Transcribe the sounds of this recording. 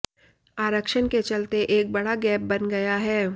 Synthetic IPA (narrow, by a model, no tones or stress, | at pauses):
aːɾəkʃənket͡ʃɐlt̪eʔeːk̚bɐɽaɡɛːp̚bɐnɡɐjaɦɛː